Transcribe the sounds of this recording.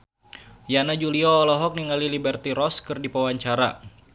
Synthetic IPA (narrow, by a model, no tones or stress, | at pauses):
janad͡ʒuliɔːlɔɦɔk̚niŋalilibɛrt̪iɾɔskɨrdipawaɲt͡ʃaɾa̰